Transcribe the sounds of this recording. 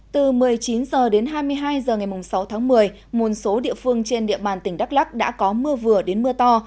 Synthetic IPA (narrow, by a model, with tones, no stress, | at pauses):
t̪ɨ˨˩mɨ˨˩əjt͡ɕi˨˦nzəː˨˩ɗe˨˦nɦaː˧jmɨ˧əjɦaː˧jzəː˨˩ŋa˨˩jmʊ˨˩ŋ͡msa˨˦wt̪ʰaː˨˦ŋmɨ˨˩əj | mo˨˩t̚so˨˦ɗḭ˧˨əfɨ˧əŋt͡ɕe˧nɗḭ˧˨əɓaː˨˩nt̪ï˧˩ŋ̟ɗa˦˥k̚la˦˥k̚ɗa̰ː˧˥kɔ˨˦mɨ˧əvɨ˨˩əɗe˨˦nmɨ˧ət̪ɔ˧